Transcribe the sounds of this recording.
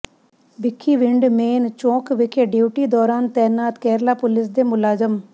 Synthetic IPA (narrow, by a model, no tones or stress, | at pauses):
bɪkʰːiːʋɪɳɖmeːnt͡ʃõːkʋɪkʰeːɖiuːʈiːd̪ɔːɾaːnt̪ɛːnaːt̪kɛːɾlaːpʊlɪs̬d̪eːmʊlaːzəm